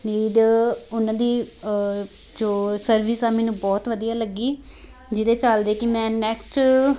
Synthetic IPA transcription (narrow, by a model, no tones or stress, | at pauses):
liːɖʊnãːd̪iː | d͡ʒoːsəɾʋɪsaːmɛːnũːbɔːt̪ʋəd̪ijaːləɡːiː | d͡ʒɪd̪eːt͡ʃəld̪eːkɪmɛ̃ːnɛːksʈ